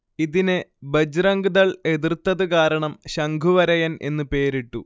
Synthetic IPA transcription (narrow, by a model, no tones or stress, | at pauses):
iðinebɐd͡ʑrɐŋɡuðɐɭe̞ðirt̪ːɐðɨkaːɾɐɳɐmɕɐŋɡʱuʋɐɾɐjɐne̞̰nːɨpe̞ːɾiʈːu